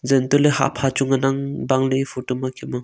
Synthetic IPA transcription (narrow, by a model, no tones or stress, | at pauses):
zentuleha̰ʔpʰat͡ʃuŋanaŋbaŋlɯfʰutumakʰimɯ